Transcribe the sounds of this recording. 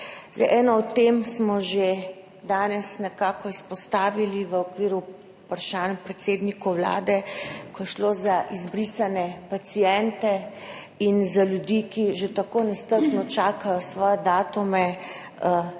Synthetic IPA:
zd̪a̰jʔɛːnɔɔt̪ːemsmɔʒe | d̪aːnɛsnɛkaːkɔispɔst̪aːʋiliʋəɔkʋiːɾu | pɾʃaːnpɾɛt̪seːd̪nikɔwla̰ːd̪ɛkɔjɛʃloːzaʔizbɾisanɛpat̪sijɛnt̪ɛ | inzaljud̪ikiʒet̪akoːnɛst̪əɾpnɔt͡ʃaːkajɔsʋɔːjɛd̪aːt̪umɛ

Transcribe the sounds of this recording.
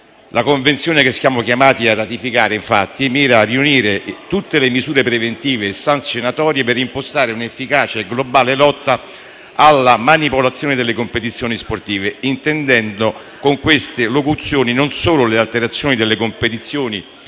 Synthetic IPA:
lʔakoɱvent̪sjoːnekɪsːjaːmokjamaːt̪iarːat̪ifikaːɾeiɱfa̰t̪ːimiːɾaːriuniːɾet̪ut̪ːelemizuːɾepɾevent̪iːvesant̪sjonat̪ɔːɾjeperimpost̪aːɾeunefːikaːt͡ʃaɡlobaːlelɔt̪ːa | alːamanipolat̪sːjoːned̪elːekompet̪it̪sːjoːnisport̪iːveint̪end̪ɛnd̪o | koŋkwest̪elokut̪sjoːninonsoːlʊlealt̪eɾat̪sːjoːnid̪elːekompet̪it̪sːjoːni

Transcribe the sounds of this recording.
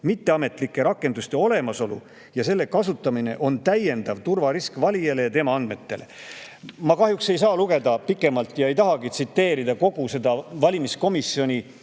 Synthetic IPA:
mit̪ːe̞ɑme̞t̪ˑlikːˑe̞ɾɑkːe̞nd̪̥ust̪e̞o̞le̞mɑso̞lṵ | jɑse̞lːe̞kɑsut̪ːˑɑmine̞ʔo̞nt̪æje̞nd̪̥ɑvt̪urvɑɾiskvɑlʲijele̞jɑt̪e̞mɑɑnd̪me̞t̪ːe̞̰le̞̰ | mɑkɑɦjukse̞js̬ɑːluɡe̞d̪̥ɑpikːˑe̞mɑlt̪ːˑjɑe̞jt̪ɑɦɑɡit̪sit̪ːe̞ːɾid̪̥ɑko̞ɡ̥use̞d̪ɑvɑlʲimisko̞misːjo̞nʲi

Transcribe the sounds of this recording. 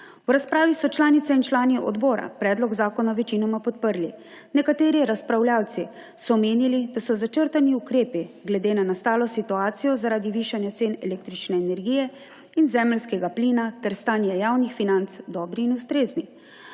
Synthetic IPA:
wɾaspɾaːʋisɔt͡ʃlaːnit̪sɛint͡ʃlaːniɔ̰d̪bɔːɾa̰pɾɛːd̪lɔɡzaːkɔnaʋɛt͡ʃiːnɔmapɔt̪̚pəɾli | nɛkat̪eːɾiɾaspɾawljaːwt̪si | sɔmeːnilid̪asɔzat͡ʃəɾt̪aniukɾeːpiɡlɛd̪eːnanast̪aːlɔsit̪uaːt̪sijɔzaɾaːd̪iʋiːʃanjat̪seːnɛleːk̚t̪ɾit͡ʃnɛːnɛɾɡiːjɛ | inzɛːmɛlskɛɡapliːnat̪ɛɾst̪aːnjɛjaːwnixfinant̪sd̪ɔːbɾiːnust̪ɾeːzni

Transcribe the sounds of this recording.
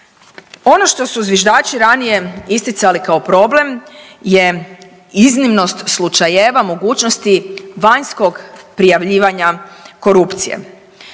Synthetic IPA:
o̞no̞ʃt̪o̞suzʋʲjeʒd̪aːt͡ʃiɾanije̞ist̪it̪salikao̞pɾo̞ble̞mje | iznimno̞st̪slˠut͡ʃajeːʋamo̞ɡuːt͡ʃnost̪iʋaɲsko̞ɡpɾijaʋʎiːʋaɲako̞ɾupt̪sijḛ

